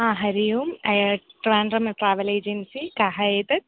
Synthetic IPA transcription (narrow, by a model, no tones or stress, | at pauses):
ãːɦɐɾijumɐjɐʈʋaːnrɐmɐʈɾaːʋɐleːd͡ʒɐnsikaːɦɐeːt̪ɐt̪̚